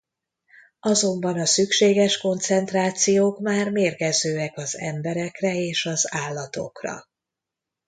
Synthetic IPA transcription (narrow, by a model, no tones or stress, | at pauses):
ɒzo̞mbɒnɒsykʃeːɡɛʃko̞nt̪sɛnt̪raːt̪sijoːkmaːrmeːrɡɛzøːɛkɒzɛ̰mbɛɾɛkrɛeːʃɒzaːlːɒt̪o̞̰krɒ̰